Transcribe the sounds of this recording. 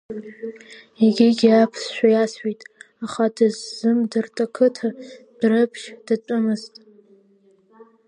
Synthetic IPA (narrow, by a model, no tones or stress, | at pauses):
eɡʲɪɡʲapʰsʃʷᶣajasɥijtʼ | aχadɨzːɨmdɨrtʰʼakʰɨtʰa | d̥rɨpʰʃd̥ɨtʷʼʊmɨztʼ